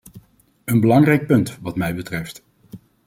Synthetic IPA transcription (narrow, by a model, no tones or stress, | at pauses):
ənbəlɑŋrɛjk̚pɵntʋɑtmɛjbətrɛft